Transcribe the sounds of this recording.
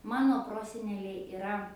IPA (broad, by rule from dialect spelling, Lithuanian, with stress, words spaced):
ˈmɑːnoː ˈproːsʲɛnʲɛlʲɛɪ ɪˈrɐ